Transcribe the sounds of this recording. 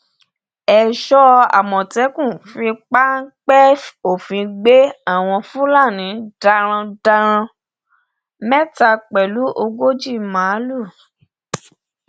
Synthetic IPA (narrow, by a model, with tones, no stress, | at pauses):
ɛ˧˨ʃɔ˦a̰˨mɔ̃˨tɛ˨˦kũ˦˨fĩ˧k͡pa˦ŋ̩˦k͡pɛ˦fo˦˨fĩ˨˧ɡ͡be˦a˦˨w̃ɔ̃˧fũ˦la˦˨nĩ˨˦da˧ɾ̃ã˧da˧ɾ̃ã˧ | mɛ˦ta˧k͡pɛ˨lu˨˦ʔo˧ɡo˦d͡ʒi˦˨mã˨˦lu˦˨